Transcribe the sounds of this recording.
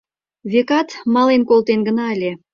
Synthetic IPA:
βʲekɑt̪mɑlenkolˠt̪enɡə̆nɑəlʲe

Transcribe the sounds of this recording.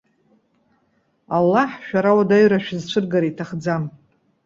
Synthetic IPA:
alːaħʃᶣaɾawadaɥraʃᶣzt͡ʃʷʰɨrɡaɾaitʰaχd͡zam

